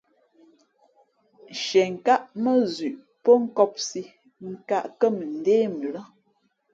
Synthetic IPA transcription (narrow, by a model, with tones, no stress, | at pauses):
ʃɛ˨ŋ̩˨ka˦ʔmə˦zʉ˨ʔ | pɔ˦ŋ̩˦kɔ˦p̚si˦ | ŋ̩˦˨ka˦˨ʔkə˦mə˨n̩˨deː˦mə˨lə˦